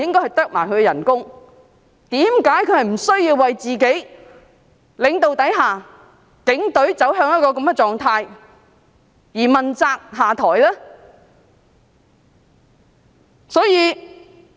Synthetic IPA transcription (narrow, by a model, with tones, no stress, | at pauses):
jɪ˥ŋkɔː˥jhɐ˨jt̪œː˥k̚maː˨˩jkʰɵ˨˧ɡɛ˧jɐ˨˩nkʊ˥ŋ | t̪iː˨˥mkaː˨˥jkʰɵ˨˧ɥhɐ˨jm̩˨˩sɵ˥ɥjiː˧wːɐ˨jt͡siː˨ke˨˥j | lɪ˨˧ŋt̪o˨wt̪ɐ˨˥jɦaː˨ | kɪ˨˥ŋt̪ɵ˨˥ɥt͡sɐ˨˥wɦœː˧ŋjɐ˥t̚kɔː˧kɐ˨˧˥mɡɛː˨˧t͡sɔː˨ŋt̪ʰaː˧j | jiː˨˩mɐ˨nt͡saː˧k̚ɦaː˨t̪ʰɔː˨˩jlɛː˥ | sɔː˨˥jiː˨˧